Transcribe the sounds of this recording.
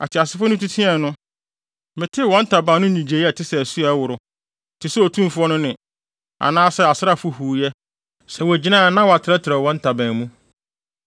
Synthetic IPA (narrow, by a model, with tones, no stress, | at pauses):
a̰˨tʰɪ˨a˨sɪ˦fɔ˦nʊ̃˦tʰu˦tʰi˦ɛ̃˨nʊ̃˦ | mɪ̃˨tʰɪ˦wɔ̃˨˦n̩˦tʰa˨bã˨nʊ̃˦ɲĩ˨d͡ʑe˨˦ɛ˨tʰɪ˦sɛ˨æ˨su˦a˨˦wʊ˨ɾʊ˨ | tʰɪ˨sɛ˦ɔ˨tʰũ˦mfʊ˦ɔ˦nʊ̃˦nɪ̃˨ | a̰˨nãː˦sɛ˨a˨sɪ˦ɾa˦fʊ˦huː˨jɛ˦ | sɛ˨wɔ˨æ˨d͡ʑi˦nã˦˨˦nã˦wɔ˨a˨tʰɪ˨ɾɛ˦tʰɪ˨ɾɛ˨wɔ̃˦n˦tʰa˨bã˨mũ˦